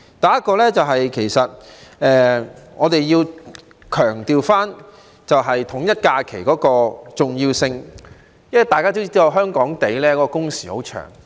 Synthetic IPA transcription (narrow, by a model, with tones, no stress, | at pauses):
t̪ɐ˨jɐ˥t̚kɔː˧lɛː˥t͡sɐ˨wɦɐ˨jkʰe˨˩jsɐ˨t̚ɛː˨ŋɔː˨˧t̪e˨jjiː˧w | kʰœː˨˩ŋt̪iː˨wfaː˥n | t͡sɐ˨wɦɐ˨jt̪ʰʊ˨˩ŋjɐ˥t̚kaː˧kʰe˨˩jkɔː˨˥kɔː˧t͡sʊ˨ŋjiː˧wsɪ˧ŋ | jɐ˥˨t̪aː˨jkaː˥t̪o˥wt͡si˥ɐ˧wɦœː˥ŋkɔː˨˥ŋt̪e˨˥jlɛː˥kɔ˨˥kɔː˧kʊ˥ŋsiː˨˩ho˨˥wt͡ʃʰœ̰ː˨˩ŋ